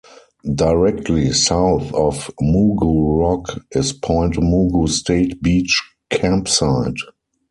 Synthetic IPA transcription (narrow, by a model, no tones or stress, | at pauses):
daɪɹɛk̚tʰlisaʊθɔfmuɡuɹɔkɪspʰɔ̃ɪ̃ntmuɡustʰeɪtbiːt͡ʃ | kʰæ̃mpsaɪd